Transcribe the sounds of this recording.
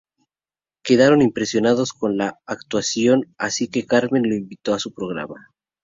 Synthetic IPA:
ke̞ð̞aɾo̞nimpɾe̞sjo̞naðo̞sko̞nlaːk̚t̪wasjo̞nasike̞kaɾme̞nlo̞imbit̪o̞asupɾo̞ɣ̞ɾa̰ma

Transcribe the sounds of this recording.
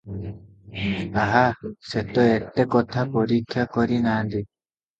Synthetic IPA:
aɦasɛt̪ɔɛtːɛkɔt̪ʰakoɾikjakoɾinandi

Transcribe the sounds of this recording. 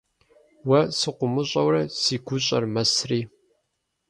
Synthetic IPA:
wɐsɨqʷʊmɨɕʼɐwrɐsiːɡʷʊɕʼɐ̰rmɐsriː

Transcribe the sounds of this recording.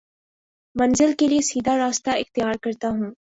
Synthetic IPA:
mɐnzɪlkeliesiːd̪ʱaɾaːst̪aɪxt̪ɪjaːɾkɐɾt̪aɦũː

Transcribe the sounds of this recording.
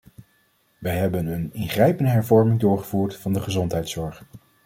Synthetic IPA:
ʋəjɦɛbənənɪnχrɛjpəndəɦɛɹvɔɹmɪŋdʊːɹχəvuːɹtfɑndəχəzɔntɦɛjtsɔɹχ

